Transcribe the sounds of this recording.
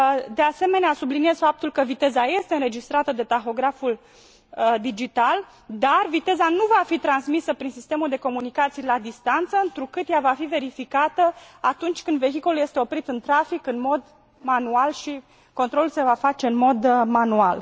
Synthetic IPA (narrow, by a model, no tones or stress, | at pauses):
d̪ease̞me̞neasublinijez̥fap̚t̪ulkəvit̪ezaje̞st̪e̞ɨnɾe̞d͡ʒist̪ɾat̪əd̪e̞t̪axo̞ɡɾaful | d̪id͡ʒit̪al | d̪arvit̪e̞zanuvafit̪ɾansmisəpɾinsist̪e̞muld̪e̞ko̞munikat̪sijlad̪ist̪ant̪səɨnt̪ɾukɨt̪javafive̞ɾifikat̪əat̪unt͡ʃʲkɨnd̪ve̞çiko̞lulje̞st̪e̞o̞pɾit̪ɨnt̪ɾafikɨnmo̞d̪ | manualʃi | ko̞nt̪ɾo̞lulse̞vafat͡ʃe̞ɨnmo̞d̪manual